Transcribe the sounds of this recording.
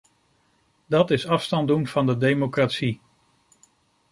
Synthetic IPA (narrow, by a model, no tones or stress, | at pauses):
dɑtɪsɑfstɑndunv̥ɑndədejmokratsi